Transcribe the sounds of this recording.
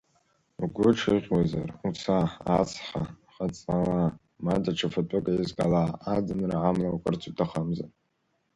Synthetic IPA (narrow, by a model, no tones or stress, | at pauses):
uɡʷʊʈ͡ʂʰiʁʲwaza̰rut͡sʰaːt͡sʰħa | χat͡sʼawa | madaʈ͡ʂʰafatʼaɡʼaizɡalaad͡zɨnraʕamlawakʷʼɨrt͡sʰutʰaχamza̰